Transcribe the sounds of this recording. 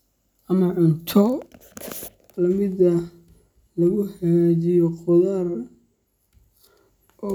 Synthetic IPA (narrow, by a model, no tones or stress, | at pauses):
ʔɐmɐʕʊnt̪ʰɔ | lɐmɪd̪ɐ | lɐɣʊħɑɡad͡ʒɪjɔqʊðar | ɔ